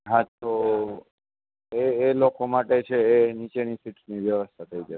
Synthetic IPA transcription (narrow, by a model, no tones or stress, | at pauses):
ɦãt̪o | eːlokʰomaʈet͡ʃʰeːnit͡ʃenisiʈniʋjəʋəst̪ʰat̪ʰəid͡ʒə